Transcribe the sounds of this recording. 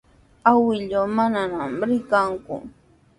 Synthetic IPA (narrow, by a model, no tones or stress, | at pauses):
awɪʎowmananamɾɪkaŋkʊ̰